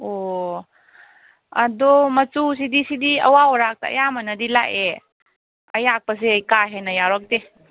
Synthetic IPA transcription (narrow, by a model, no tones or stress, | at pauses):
o | əd̪ɔmət͡sus̬id̪isid̪iə̰waɔɾak̚ta̰ə̰jamənəd̪ila̰ʔe | əjak̚pəs̬eəjkaɦenajaɾɔk̚t̪i